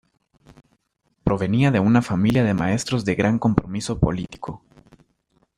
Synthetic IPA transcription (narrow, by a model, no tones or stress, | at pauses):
pɾo̞βe̞niaðe̞unafamiljaðe̞ma̰e̞st̪ɾo̞zðe̞ɣɾaŋko̞mpɾo̞miso̞po̞̰lit̪i̥kʰo